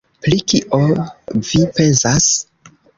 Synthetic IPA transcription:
plikiʔovipensas

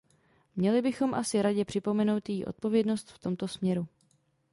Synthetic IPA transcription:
mɲɛlɪbɪxo̞mʔasɪɾaɟɛpr̝̥ɪpo̞mɛno̞wt̪jiːʔo̰t̪̚po̞vjɛdno̞st̪ft̪o̞mt̪o̞smɲɛɾu

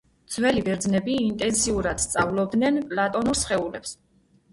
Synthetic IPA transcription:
d̪zwɛlibɛɾd̪znɛbiːnt̪ʼɛnsiuɾad̪̥st̪sʼavlˠɔb̚d̪nɛnpʼlat̪ʼɔnuɾsχɛulɛps

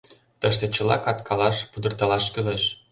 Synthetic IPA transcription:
t̪əʃt̪ĕt͡ɕə̆lɑ̰kɑt̪kʰɑlɑʃpud̪ɤ̆rt̪ɑlɑʃkyleʃ

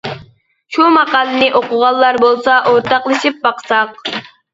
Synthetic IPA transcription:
ʃumɑqɑːlˠɨnɪʔoqʊʁɑlˠːɑɾbolˠsɑʔoɾt̪ɑqlˠɨʃip̚bɑqsɑq

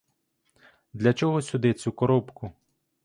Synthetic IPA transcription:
d̪lʲɐt͡ʃɔɦɔsʲʊd̪ɪt͡sʲukɔɾɔpkʊ

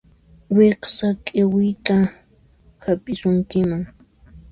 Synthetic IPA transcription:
weqsakʼɪwɪjt̪a | hapʼɪsʊŋkɪmaŋ

